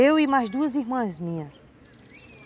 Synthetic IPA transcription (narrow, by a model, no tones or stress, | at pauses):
ewimajzd̪uɐziɦmɐ̃zmĩɲɐ